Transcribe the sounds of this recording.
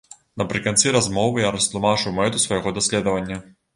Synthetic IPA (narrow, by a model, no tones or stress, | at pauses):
nɐpɾɨkant̪sɨɾazmɔvɨjaɾɐst̪lˠumat͡ʂɨwmɛt̪usvɐjɣɔd̪ɐsʲlʲɛd̪ɐvɐnʲːɐ